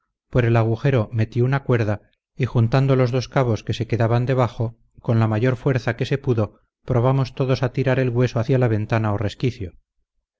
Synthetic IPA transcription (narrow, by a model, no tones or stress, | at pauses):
pweɾe̞laɣ̞uxe̞ɾo̞me̞t̪jounakwe̞ɾða | ixunt̪and̪o̞lo̞zðo̞skaβo̞ske̞se̞ke̞ðaβand̪e̞β̞aχo | ko̞nlamaʝo̞ɾfwe̞ɾθake̞se̞puðo̞ | pɾo̞β̞amo̞st̪o̞ðo̞sat̪iɾaɾe̞lɣwe̞soaθjalaβ̞e̞nt̪anaore̞skiθjo